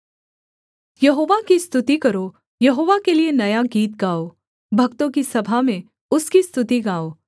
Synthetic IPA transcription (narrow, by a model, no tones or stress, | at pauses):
jɐɦoːʋakist̪ʊt̪ikɐɾo | jɐɦoːʋakelienɐjaɡiːt̪̚ɡaːo | bʱɐɡt̪õkisɐbʱamẽ | ʊskist̪ʊt̪iɡaːoː